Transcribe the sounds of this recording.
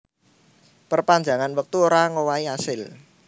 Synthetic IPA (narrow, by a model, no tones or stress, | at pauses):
pərpaɲd͡ʒa̤ŋanwək̚t̪uoɾaŋowaiasɪl